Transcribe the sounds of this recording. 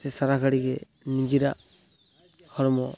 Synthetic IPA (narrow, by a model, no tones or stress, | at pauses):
ɛsaɾakʰaɽiɡɛ | nid͡ʒiɾaʔ | hɔɾɔmɔ